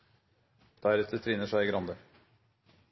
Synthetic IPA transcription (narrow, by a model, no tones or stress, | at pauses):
d̪̥æɾɛt̪ət̪ʰɾɪnəʂæɪɪɡɾɑnd̪ə